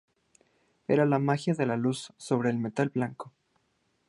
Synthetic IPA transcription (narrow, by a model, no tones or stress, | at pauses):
e̞̰ɾalamaxjaðe̞lalusːo̞β̞ɾe̞ːlme̞t̪alblaŋko